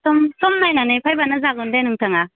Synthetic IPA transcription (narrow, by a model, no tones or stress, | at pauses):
tɔmtɔmnajnanepʰajbanazaɡundajnuŋtʰaŋa